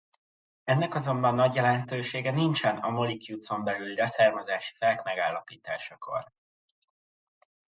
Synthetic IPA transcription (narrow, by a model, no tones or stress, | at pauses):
ɛnːɛkɒzo̞mbɒnːɒɟjɛlɛnt̪øːʃeːɡɛnint͡ʃɛnɒmolikjuːt̪so̞mbɛlyldɛsaːrmɒzaːʃi̥fɛlkmɛɡaːlːɒpiːt̪a̰ːʃɒkʰo̞̰r